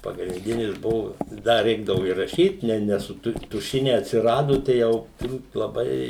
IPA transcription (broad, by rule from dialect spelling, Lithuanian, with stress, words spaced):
pɐɡrʲɪnʲdʲɪnʲɪs ˈbʊʋoː ˈdɐ ˈrʲɛɪɡdɐʋʊ ɪ rɐˈʃʲiːt nʲɛ nʲɛ sʊ ˈtʊ tʊˈʃʲɪnʲɛɪ ɐtʲsʲɪˈrɑːdoː tɐɪ ˈjɛʊ tʊrˈbuːt lˠɐˈbɐɪ